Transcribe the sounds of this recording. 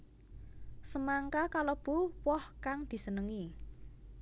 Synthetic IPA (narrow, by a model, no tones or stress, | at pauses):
səmaŋkakalob̥ṳwɔhkaŋd̪̥i̤sənəŋi